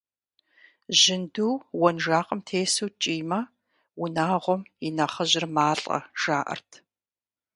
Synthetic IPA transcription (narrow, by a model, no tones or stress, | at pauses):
ʑɪnduːwɔnʒaːqʼəmtʰeːsuːt͡ʃʼiːmɐ | wʊnaːʁʷɔmɪnɐχɐʑɪrmaːɬʼɐ̰ʒ̥aːʔɐ̰rtʰ